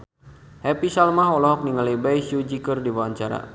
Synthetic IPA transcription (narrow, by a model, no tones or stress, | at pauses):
hɛpisalmaɦɔlɔɦɔk̚niŋalibajsjud͡ʒikərdiwaɲt͡ʃaɾa̰